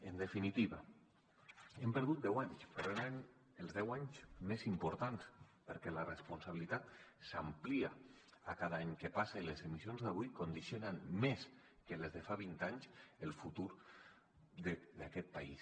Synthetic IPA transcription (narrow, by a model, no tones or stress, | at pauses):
end̪efinit̪iβa | empəɾð̞ut̪̚d̪ɛwaɲspeɾonaɲ | elˠzðɛwaɲzmezimpuɾt̪anspəɾkɛlarespunsaβilit̪at̪samplia | akaðaaɲkepaselezemisionzðaβujkond̪isionanmes | kelezðefaβint̪aɲselˠfut̪uɾ | ðed̪akɛt̪̚paḭs